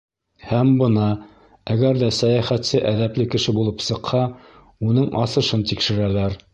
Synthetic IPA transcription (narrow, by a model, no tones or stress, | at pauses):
hæmbɤ̆nɑ | æɡæɾðæsæjæχæt̪sɘʔæðæplɘkɘ̆ʃɘbulˠɤpsɤ̆qhɑ | unɤɴʔɑsɤ̆ʃɤnt̪ikʃɘ̆ɾælæɾ